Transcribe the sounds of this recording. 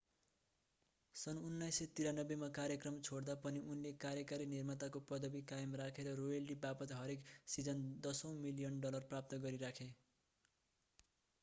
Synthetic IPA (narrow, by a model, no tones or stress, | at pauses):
sʌnunːajsʌt̪iɾanʌbːemakaɾjʌkrʌmt͡sʰoɽd̪apʌniʔunlekaɾjʌkaɾinirmʌt̪akopʌd̪ʌbikajmrakʰeɾʌrojʌlɖibapʌt̪ɦʌɾeksid͡zʌnd̪ʌsʌ̃w̃milijʌnɖʌlʌrprap̚t̪ʌɡʌɾiɾakʰe